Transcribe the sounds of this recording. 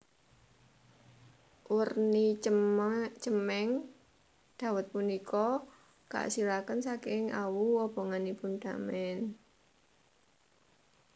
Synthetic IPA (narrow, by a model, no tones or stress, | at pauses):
ʔurni | t͡ʃəmɛŋ | d̪̥a̤wət̪̚punikʰɔ | ɡ̥a̰siɾakənsakɪŋa̰wuɔb̥ɔ̤ŋanipunɖ̪̥amɛn